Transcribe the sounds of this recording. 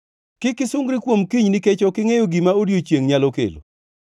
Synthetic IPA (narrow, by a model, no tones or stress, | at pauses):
kɪkɪsʊŋɡɾɪkwomkiɲniket͡ʃokɪŋejoɡimaodjot͡ʃjeŋɲalokḛlo̰